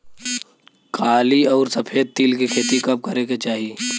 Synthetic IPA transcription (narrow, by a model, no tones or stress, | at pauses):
kʰaːliɔːɾsɐpʰeːd̪̚t̪iːlkikʰeːt̪ikɐp̚kɐɾeket͡ʃaːɦi